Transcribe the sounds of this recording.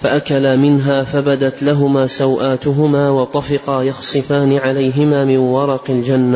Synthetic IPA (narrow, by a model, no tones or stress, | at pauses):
faʔakalamɪnɦaːfabad̪at̪laɦʊmaːsawʔaːt̪ʊɦʊmaːwɑt̪ˤɑfɪqɑjɑxsˤɨfaːnɪʕalajɦɪmaːmɪnwɑɾˤɑqɪld͡ʒanːa